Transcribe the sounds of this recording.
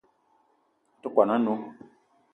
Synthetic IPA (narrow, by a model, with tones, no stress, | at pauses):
tu˦kʷa˨nã˦no˨˦